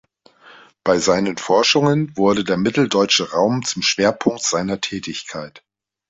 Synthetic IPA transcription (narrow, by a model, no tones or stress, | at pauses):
b̥aɪzaɪnənfɔɐʃʊŋənvʊɐɾədeːɐmɪtl̩dɔʏt͡ʃəʁaʊmt͡sʊmʃv̥eːɐpʰʊŋk̚tz̥aɪnɐtʰɛːtɪçkʰaɪt